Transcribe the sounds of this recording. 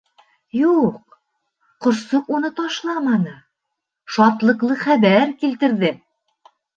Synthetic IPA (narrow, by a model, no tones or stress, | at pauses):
juq̚ | qŏɾsoqunɤt̪ɑʃlˠɑmɑnɤ | ʃɑt̪lˠɤ̆qlˠɤχæβæɾkilt̪ɘ̆ɾðɘ